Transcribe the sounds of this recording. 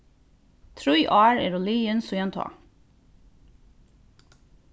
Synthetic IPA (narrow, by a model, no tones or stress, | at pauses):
t̪ʰɾʉʏʔɑːɹḛːɾoːliːənsoːjɛnt̪ʰɑ̰ː